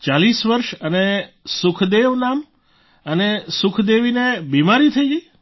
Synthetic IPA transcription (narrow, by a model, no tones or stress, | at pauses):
t͡ʃalisʋəɾʃənesʊkʰd̪eʋnam | ənesʊkʰd̪eʋinebimaɾit̪ʰəid͡ʒi